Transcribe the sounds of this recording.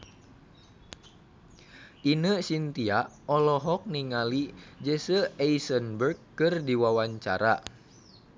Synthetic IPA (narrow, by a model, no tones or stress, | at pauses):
ʔinəsint̪iaʔ | ɔlɔɦɔk̚niŋalid͡ʒəsəɛisənbərkkɨrdiwawaɲt͡ʃa̰ɾa